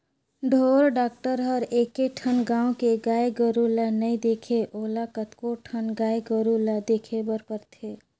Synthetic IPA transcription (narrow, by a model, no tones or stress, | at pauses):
ɖʱoɾɖaːk̚ʈəɾɦəɾekeʈʰənɡãːũkeɡaeɡəɾulanəid̪ekʰeʔoːlakət̪koʈʰənɡaeɡəɾulad̪ekʰebəɾpəɾt̪ʰe